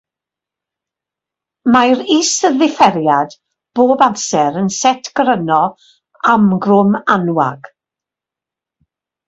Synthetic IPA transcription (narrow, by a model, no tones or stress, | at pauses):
majɾiːsəðɪfɛɾjad̥ | b̥oːbamsɛɾənsɛtʰɡəɾənɔ | amɡrʊmanwa̰ɡ̥